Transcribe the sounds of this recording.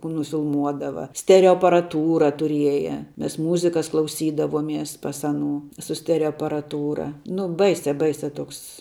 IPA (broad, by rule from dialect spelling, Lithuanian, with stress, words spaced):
kuː nʊfʲɪlˠˈmuɔdɐʋɐ ˈsʲtʲæːrʲɛoː ɐpɐrɐˈtuːrɐ tʊˈrʲiɛjɛ ˈmʲɛs ˈmuːzʲɪkɐs klˠɐʊˈsʲiːdɐʋoːmʲiɛs ˈpɐs ɐˈnuː sʊ ˈsʲtʲæːrʲɛoː ɐpɐrɐˈtuːrɐ ˈnʊ ˈbɐɪsʲɛ ˈbɐɪsʲɛ ˈtoːks